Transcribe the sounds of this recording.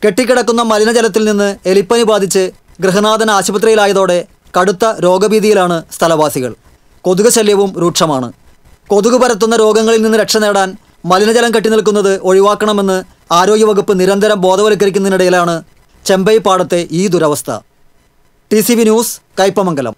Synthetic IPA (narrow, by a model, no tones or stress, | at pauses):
ke̞ʈːikʲːiɽɐkːunːɐmɐlinɐd͡ʑɐlɐt̪̬ːilninːɨelipːɐnubaːd̪ʱit͡ɕːɨ | ɡɾɨɦɐnaːd̪ɐnɐaːɕibɐt̪rɐjilaːjɐðo̞ːɽe̞ | kɐɽut̪ːɐɾo̞ːɡɐbiːd̪ijilaːɳɨst̪ʰɐlɐʋaːsiɣɐ̰ɭ | ko̞ðuɣɐɕɐljɐʋumɾuːʈʂɐmaːɳɨ̰ | ko̞ðuɣubɐɾɐt̪̬ːunːɐɾo̞ːɡɐŋːɐɭilninːɨɾe̞kʂɐne̞ːɽaːn | mɐlinɐd͡ʑɐlɐmkeʈːinilk̬ːunːɐðɨʔo̞ɻiʋaːkːɐɳɐme̞nːɨ | aːɾo̞ːɡjɐʋɐɣupːɨniɾɐnd̪ʱɐɾɐmbo̞ːd̪ɐʋɐlik̬ːɐɾikʲːunːɐniɽɐjilaːɳɨ | t͡ɕe̞mbɐjpːaːɽɐt̪ːe̞ʔiːd̪uɾɐʋɐst̪ʰɐ̰ | ʈisiʋinjuːskɐjpːɐmɐŋɡɐlɐ̰m